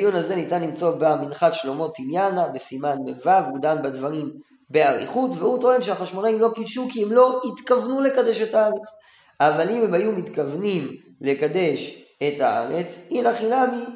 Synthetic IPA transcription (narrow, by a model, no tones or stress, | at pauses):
junaze̞nit̪anlimt͡so̞baminχatʃlo̞mo̞t̪injanabesimanmevavukd̪ambedvaʁim | be̞aʁḭχutveut̪oenʃeaχaʃmo̞naimlo̞kidʃukiemlo̞it̪kavnule̞kadeʃetaaʁe̞t͡s | ʔavalimemajumitkavnim | le̞kade̞ʃ | e̞taa̰ʁe̞t͡sinaχinami